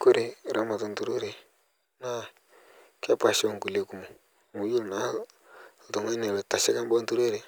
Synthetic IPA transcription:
ku˦ɾe˨ɾa˨˦ma˨tu˨ntu˨ɾu˦ɾe˨ | na˦ | kɛ˦pa˨ʃo˦˨ŋ˨ku˨le˦ku˨mu˨ | mu˨ju˦˨na˨ | tu˨ŋa˦ne˨lta˨sɛ˦ka˦mbɔ˦n˦tu˦ɾo˦ɾe˨

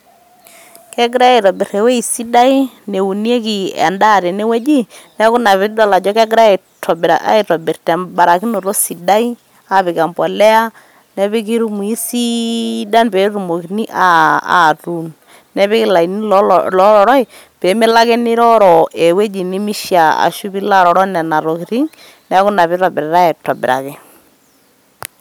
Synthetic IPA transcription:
kɛ˦ɡ̬ɾa˦a˦˨tɔ˨bɪ˨ɾe˨we˦i˨si˦da˦i˦ne˨u˨ni˦e˦ki˨ɛ̰˨nda˦˨ɾe˨ne˦we˦d͡ʒi˦nɛ˦kʊ˦na˨βɪ˦dɔ˦˨la˨d͡ʒɔ˦kɛ˦ɡɾa˦e˨ | tɔ˨bɾa̰˨a̰˦i˨tɔ˨bɪ˨rtɛ˨mba˨ɾa˨ki˦no˨ɾo˦si˨da˦i˦ | a˨pɪ˨ka˨mbɔ˨lɛ˦a˦ | nɛ˦βɪ˦k̬i˦ɾu˦mu˨i˦si˦da˦npe˨˦ru˨mo˨ki˨ni˦ʔa˦a̰˨tu˨n | nɛ˦βɪ˦kɪ˦˨la˨i˨ni˦llɔ˦ɾɔ˨ɾɔ˦ɪ˨ | pe˨˦mɪ˦la˦kɛ˦nɪ˦ɾɔ˦ɾɔ˨ɛ˨we˦d͡ʒi˨nɪ˦mi˦ʃa˨a̰˨ʃu˦pi˦la˦ɾɔ˨ɾɔ˦nɛ˨na˨ɾo˨ki˨ɾi˦ŋ | nɛ˦kʊ˦na˨βɪ˦ɾɔ˨bɪ˨ɾɛ˨ɾa˦ɛ˨tɔ˨bɪ̰˨ɾa̰˨kɛ˨

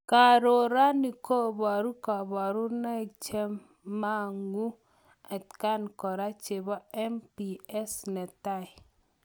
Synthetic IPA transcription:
ka˨ɾo˨ɾa˦ni˨ko˦bɔ˨ɾu˦ka˨bɔ˨ɾu˦na˦˨t͡ʃe˦mː | a˦˨ŋu˦ | ɛ˨tka˦nkɔ˨ɾa˦t͡ʃe˨ba˦ɛ˦mpi˨ɛ˦snɛ˨ta˦˨j

